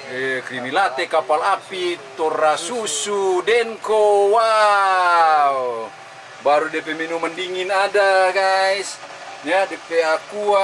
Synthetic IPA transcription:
ɛkɾimilat̪ekapalapit̪ɔrːasusudɛŋkowa | w | baɾudiɛpeminumandiŋinadaɡais | ɲadepeakua

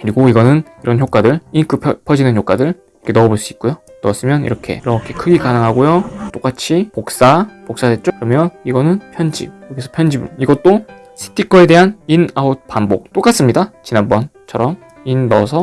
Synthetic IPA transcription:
kɯɾiɡoiɡʌnɯniɾʌnçok͈adɯɭikɯpʰpʰjʌd͡ʑinɯnjok͈adɯɾ | ʌkʰenʌboɭs͈uit̚k͈ojo | nʌas͈ɯmjʌnḭɾʌkʰe̞̰iɾʌkʰe̞kʰɯɡikanɯŋɦaɡojot͈ok͈at͡ɕʰipok̚s͈apok̚s͈adwe̞t̚t͡ɕ͈okɯɾʌmjʌniɡʌnɯnpʰjʌnd͡ʑḭjʌɡisʰʌpʰjʌnd͡ʑibṵniɡʌt̚t͈o | sʰi̥tʰikʰʌe̞de̞ɦaninaod̚panbok̚t͈ok͈as͈ɯmɲidat͡ɕinanbʌnt͡ɕʰʌɾʌm | inːʌsʰʌ

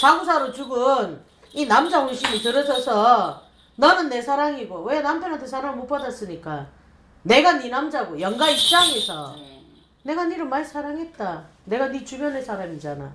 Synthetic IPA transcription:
saɡusʰaɾot͡ɕuɡɯn | inamd͡ʑahʌɭɕ͈ʰimitɯɾʌd͡ʑʌsʰʌ | nʌnɯnːe̞sʰaɾaŋiɡowe̞nampʰjʌnantʰesʰaɾaŋɯɭmop͈adas͈ɯɲik͈a | ne̞ɡaninamd͡ʑaɡojʌŋɡaip̚t͡ɕ͈aŋe̞sʰʌ | ne̞ɡaniɾɯɭmaɭsʰaɾaŋɦe̞t̚t͈a | ne̞ɡanit͡ɕumjʌnɦesʰaɾamid͡ʑana̰

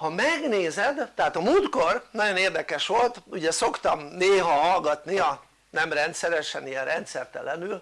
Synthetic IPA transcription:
hɒmɛɡneːzɛd̪t̪ːɛɦaːt̪ɒmult̪ko̞rnɒɟo̞neːrd̪ɛkɛʃʋo̞lt̪uɟɛso̞kt̪ɒmneːɦɒɦɒlɡɒt̪niɒ | nɛmrɛnt̪sɛɾɛʃɛnijɛnrɛnt̪sɛrt̪ɛ̰lɛnyl

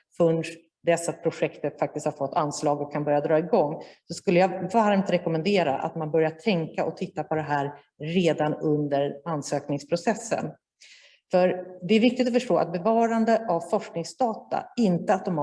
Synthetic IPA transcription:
fɵɳʂ | d̪ɛsapʰɾʊɧɛkt̪ət̪fak̚t̪ɪst̪haɾfɔt̪ːʰanslɑːɡɔkʰːanbœɾjad̪ɾɑːɪɡɔŋːsɔskɵlːəjavaɾmt̪ɾɛkɔmɛnd̪eːɾa̰ʔa̰t̪manbœɾjaʈ̪ʰɛŋkaʔɔt̪ʰɪt̪ːapʰɔd̪ɛɦæːɾ | ɾeːd̪anɵnd̪əɾansøːknɪŋspʰɾʊsɛsːə̰n | fœɾd̪ɛæɾvɪk̚t̪ɪt̪̬ɔfœʂʈoːʔa̰t̪̚bɛvɑːɾand̪əʔavfɔʂknɪŋsd̪ɑːt̪a̰ɪnt̪əat̪̚d̪ɔm

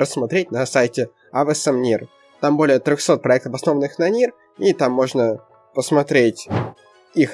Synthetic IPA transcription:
ɾəsːmɐt̪ɾʲetʲnɐsajtʲɪ | avɛsɛmnʲir | t̪ambo̞lʲɪjət̪ɾʲoxso̞t̪̚pɾɐɛkt̪əfɐsno̞vənɨxnɐnʲir | it̪amːo̞ʐnə | pəsmɐt̪ɾʲetʲ | ix

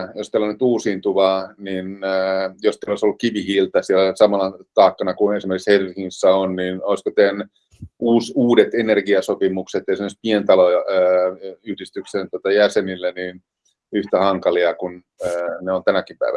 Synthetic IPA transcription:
jost̪elːonyt̪uːsiːnt̪uʋɑninːjost̪eloˑisolːukkiʋihiːlt̪ɑsielæsɑmɑnɑt̪ɑːkːɑnɑkuesimerkikshersiŋːsːæonninoiskot̪en | ʔuːsuːdet̪enerɡiɑsopimukset̪ːˑesimːøsi̥t̚pient̪ɑlojɑ | yhdist̪yksent̪uot̪ɑjæsenilːæniːn | yht̪æhɑŋkɑliɑkunː | neont̪ænækimpæ̰iʋæ̰n

